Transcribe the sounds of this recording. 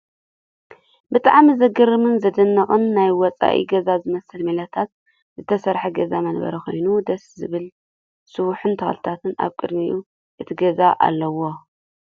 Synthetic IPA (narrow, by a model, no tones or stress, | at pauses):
bɨt̪ʼaʕmizɐɡɐɾɨmɨnzɐd̪ɨnːɐχʼɨnːajwɔt͡sʼa̰ʔḭɡɐzazɨmɐsɨlmilɐt̪ʰat̪̚ | zɨt̪ʰɐsɐɾħɐɡɐzamɐnbɐ̰ɾɐko̞̰jnud̪ɐszɨβɨl | sɨwuħɨnt̪ʰɐxlɨt̪ʰat̪ʰɨna̰βkʼɨd̪miʔu | ʔɨt̪ʰiɡɐzaʔa̰lːɐwo